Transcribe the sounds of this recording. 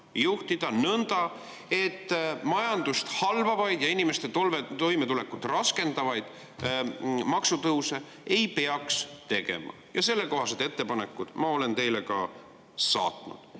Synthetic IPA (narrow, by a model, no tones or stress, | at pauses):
juht̪id̪̥ɑnɤnd̪̥ɑ | e̞t̪ːmɑjɑnd̪ust̪hɑlvɑvɑjd̪̥jɑinime̞st̪e̞t̪olvet̪o̞jmet̪ule̞kːˑut̪rɑske̞nd̪ɑvɑjd̪̥ | mɑksut̪ɤuse̞ | ejpeɑkst̪e̞ɡe̞̰mɑ̰jɑse̞lːe̞ko̞ɦɑsed̪̥e̞t̪ːe̞pɑne̞kːˑud̪̥mɑo̞le̞nt̪e̞jle̞kɑ | sɑ̰ːt̪ˑnṵd̪̥